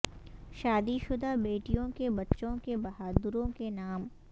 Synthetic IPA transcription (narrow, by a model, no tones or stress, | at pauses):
ʃaːd̪iʃʊd̪abeːʈijõkebɐtːʃõkebɐɦaːd̪ɾõkenaːm